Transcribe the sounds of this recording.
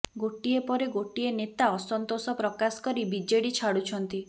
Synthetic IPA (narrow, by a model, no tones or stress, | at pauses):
ɡoʈiepɔɾeɡoʈienet̪aɔsɔnt̪osɔpɾɔkasɔ̥kɔɾibid͡ʒeɽit͡ʃʰaɽut͡ʃʰɔnt̪i